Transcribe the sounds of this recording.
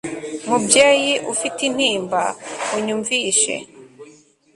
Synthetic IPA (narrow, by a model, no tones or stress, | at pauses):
mubjaːjiʔufitin̥hiːmbauɲuɱviʃḛ